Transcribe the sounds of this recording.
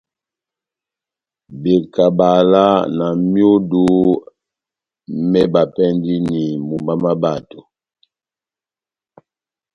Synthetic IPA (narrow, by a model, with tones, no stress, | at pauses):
be˨ka˨ba˨la˦na˨mjo˦du˦ | mɛ˦ba˨pɛ˦ndi˦ni˨mu˨mba˦ma˦ba˨to˨